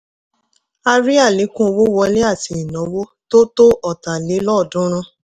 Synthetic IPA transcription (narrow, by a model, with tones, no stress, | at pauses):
a˧ɾi˦a˦˨le˨˦kũ˦o˧wo˦wɔ˧˦le˦a˦˨ti˧i˨nɔ̃˨˦wo˦to˦to˦ʔɔ˦˨ta˨le˨˦lɔ˦˨dũ˦ɾ̃ã˧